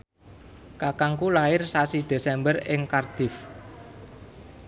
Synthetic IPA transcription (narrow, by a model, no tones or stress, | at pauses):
kakaŋkulaɪrsasid̪̥e̤sɛmbərɪŋkard̪̥ɪ̤f